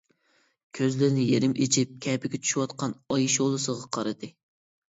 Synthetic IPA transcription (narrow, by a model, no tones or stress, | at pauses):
kʲʰøzlɪɾnɪjeɾɪmet͡ʃʰip̚kʲʰɛpɪɡʲɛt͡ʃʰy̥ʃywɑt̪qɑnɑjiʃolˠɨsəʁɑqʰɑɾɨd̪ɨ